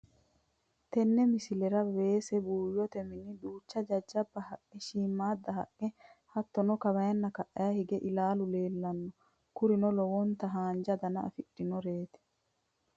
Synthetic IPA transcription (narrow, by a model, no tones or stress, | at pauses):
t̪ɛnːɛmɪsɪlɛɾɐwe̞ːsɛbuːjːɔt̪ɛmɪnːɪd̪uːt͡ʃːɐd͡ʒɐd͡ʒːɐbːɐhɐʔɛʃiːmːaːd̪ːɐɦɐ̰ʔɛhɐt̪ːɔnɔkɐβɐjɐnːɐkɐʔɐjahɪɡɛʔɪlaːlʊle̞ːlːɐnːɔ | kʊɾɪnɔlɔwɔnt̪ɐɦaːnd͡ʒɐd̪ɐnɐɐ̰fɪᶑːɪnɔɾeːt̪ɪ̥